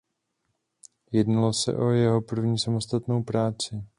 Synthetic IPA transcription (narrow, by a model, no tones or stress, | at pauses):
jɛdnalo̞sɛ̰ʔo̞jɛɦo̞pr̩vɲiːsamo̞st̪at̪no̞wpɾaːt͡sɪ